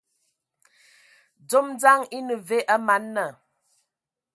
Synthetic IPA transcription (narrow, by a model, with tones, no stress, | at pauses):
d͡zo˦m˦d͡za˦ŋi˦nə˨ve˦ʔa˦ma˨˦nːə˨